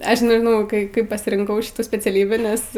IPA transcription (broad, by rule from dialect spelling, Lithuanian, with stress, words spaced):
ˈɐʃ nʲɛʒʲɪˈnɐʊ ˈkɐɪ ˈkɐɪp pɐsʲɪrʲɪŋˈkɐʊ ˈʃʲɪtuː sʲpʲɛt͡sʲɛˈlʲiːbʲiː nʲɛs